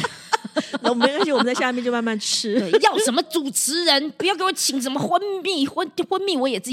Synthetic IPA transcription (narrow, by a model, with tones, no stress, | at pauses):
wɔ̃˨˩˧ʂɻi˥wm˦t͡sɕja˥˧mɛ˥˧t͡ɕo˥˧ma˥˧nma˥˩nt͡ɕʰy̥˥˩ʈ͡ʂʰɻ̩˥˩jɑ˥˩ʊʂə˧˥nmə˧t͡su˨˩ʈ͡ʂ̩ʰ˧˥ɻə˧˥npu˧˥jke˥wɔ˧˦t͡ɕʰi˧˥ŋʂ̬ə˧˥nmə˧xwə˥ni˥˩xwə˥n˥xwə˥nmi˥˩wɔ˧˥jɛ˨˩t͡sɹ̩˥˩